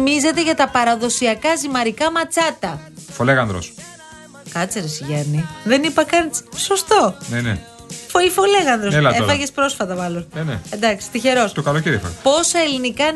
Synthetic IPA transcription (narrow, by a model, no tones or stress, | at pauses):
mize̞t̪eʝɐt̪ɐpɐɾɐðo̞siɐkɐzimɐɾikɐmɐt͡sɐt̪ɐfoleɣɐnðɾo̰s | kɐt͡seɾesʝɐniðenipɐkɐnso̞st̪o̞nene | foifo̞le̞ɣɐnðɾoselɐeofɐʝespɾo̞sfɐt̪ɐmɐlo̞nnenḛend̪ɐksi̥st̪içe̞ɾost̪okɐlociɾixo̰po̞sɐe̞linikɐ